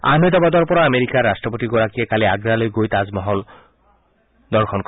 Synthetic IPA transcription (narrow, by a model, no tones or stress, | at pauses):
a̰nojt̪ɔbad̪ɔɹpɔɹaameɹikaɹːastɹɔp̬otiɡɔɹakiɛkaliaɡɹalojɡojt̪azmɔɦɔl | d̪ɔɹxʰɔnkɔ